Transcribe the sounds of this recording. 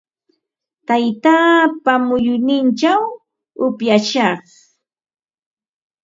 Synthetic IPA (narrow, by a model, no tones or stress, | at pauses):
t̪ajt̪aːpamʊjʊnɪnt͡ʃaw | ʊpjaʃɑχ